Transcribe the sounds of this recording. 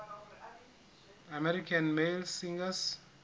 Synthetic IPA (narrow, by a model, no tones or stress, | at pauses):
amɛɾikʰanmelsĩŋɡas